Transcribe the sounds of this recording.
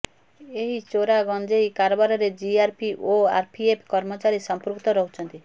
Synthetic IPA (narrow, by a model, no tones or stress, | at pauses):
eɦit͡ʃoɾaɡɔnd͡ʒeikaɾɔbaɾɔɾed͡ʒiaɾpʰiʔoa̰ɾpʰiepʰkɔɾmɔt͡ʃaɾisɔmpuɾukt̪ɔɾɔɦut͡ʃʰɔnt̪i